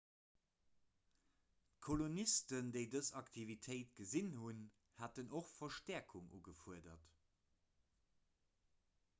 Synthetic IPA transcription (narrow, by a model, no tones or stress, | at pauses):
kʰolonistəndeɪdəzɑktʰivitʰəɪtɡ̥əzinhun | hatənoχfɐʃtɛɐkʰuŋʔṵːɡəfuədɐt